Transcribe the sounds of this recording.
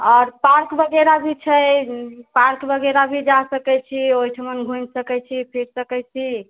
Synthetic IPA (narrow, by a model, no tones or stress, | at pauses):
ɔːɾpaɾkbəɡeɾabʱit͡ʃʰə | paɾkbəɡeɾabʱid͡ʒasəkɛt͡ʃʰioiʈʰəmənɡʱunsəkɛt͡ʃʰipʰiɾsəkɛt͡ʃʰi